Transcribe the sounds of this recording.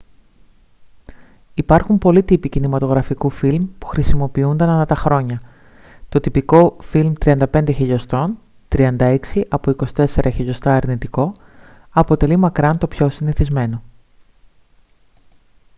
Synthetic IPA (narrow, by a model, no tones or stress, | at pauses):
ipɐɾxumpo̞lit̪ipicinimɐt̪o̞ɣɾɐfikufilmpu̥xɾisimo̞piund̪ɐnɐnɐt̪ɐxɾo̞ɲɐ | t̪o̞t̪ipiko̞filmt̪ɾiɐnd̪ɐpe̞nd̪e̞çiʎo̞st̪o̞n | t̪ɾiɐnd̪ɐe̞ksiʔɐpoiko̞si̥t̪e̞se̞ɾʔɐçiʎo̞st̪ɐːɾnit̪iko̞ | ɐpo̞t̪e̞limɐkɾɐnt̪o̞pço̞siniθizme̞no̞